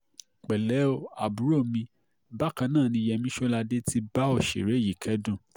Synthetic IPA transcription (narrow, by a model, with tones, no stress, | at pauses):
k͡pɛ˨lɛ˨˦o˦a˨bu˨˦ɾo˦˨mĩ˧ | ba˦kã˧nãː˦˨nĩ˧jɛ˧mĩ˦ʃo˦la˧de˦ti˧ba˦ɔ˦˨ʃḛ˨ɾe˨˦ji˨kɛ˨˦dũ˦˨